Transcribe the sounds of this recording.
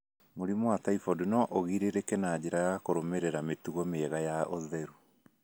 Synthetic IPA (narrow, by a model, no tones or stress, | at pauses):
moɾimwataifɔdunɔʔoɣiɾeɾekɛnad͡ʑeɾajakoɾomɛɾɛɾametuɣɔmeɣajaʔoðɛɾu